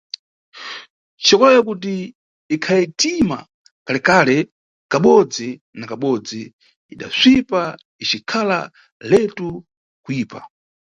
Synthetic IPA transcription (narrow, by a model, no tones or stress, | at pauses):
t͡ʃʰɔkɔlɛjɔk̬ut̬iː | kʰajɛtima̰ | kalɛkalɛ | kaɓɔd͡zi | nakaɓɔd͡ziː | ɗa̰zʷipa | it͡ʃikʰala̰ | lɛtu | kuiːpa̰